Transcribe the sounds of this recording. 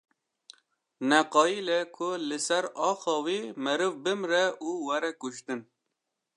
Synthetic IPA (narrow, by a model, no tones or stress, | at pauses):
nɛqɑːjilɛkʰʊlɨsɛɾɑːxɑːwiːmɛɾɨvbɨmɾɛʔuwɛɾɛkʊʃt̪ɨn